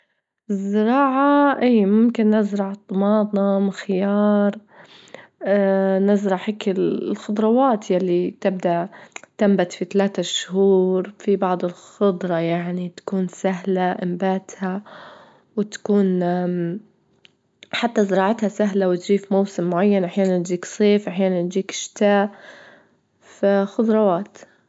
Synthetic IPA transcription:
ɪzːɪɾˤɑːʕaʔiːmʊmkɪnːɪzɾˤɑʕt̪ˤːmɑːd̪ˤnɑmɪxɪjɑːɾˤ | nɪzɾˤɑħɪkɪllxʊd̪ˤɾˤɑwɑːt̪jalːit̪ɪb̚d̪aʔt̪ambat̪fit̪alaːt̪aʃhuːɾfibɑʕd̪ˤɪlxʊd̪ˤɾˤɑjaʕnit̪ḁkuːnsaɦlaʔɪmbaːt̪ha | wɪt̪ḁkuːn | ħat̪ːazɾˤɑːʕɪt̪hasaɦlawɪt̪ʒiːfmowsɪmːʊʕajːanʔaħjaːnant̪d͡ʒiːksˤeːfʔaħjaːnant̪d͡ʒiːkʃt̪aːʔ | faxʊd̪ˤɾˤɑwaːt̪

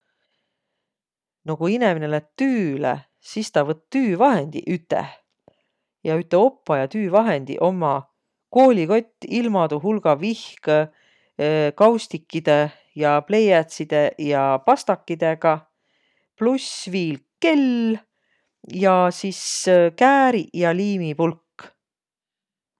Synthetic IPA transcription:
nokuineminelæt̪yːlḛ | sist̪ɑvɤt̪ːt̪yːvɑɦe̞nd̪̥ḭʔyt̪ːˑḛ | jɑyt̪ːˑeo̞pːɑjɑt̪yːvɑɦe̞nd̪̥ḭʔo̞mːɑ | ko̞ːlʲiko̞t̪ʲːilmɑd̪uɦulɡ̥ɑvihk | kɑwst̪ikːid̪̥e̞ | jɑple̞jæt̪sid̪̥e̞jɑpɑst̪ɑkːid̪̥e̞ɡ̥ɑ | plusviːlke̞l | jɑsiskæːɾijɑliːmipulkː

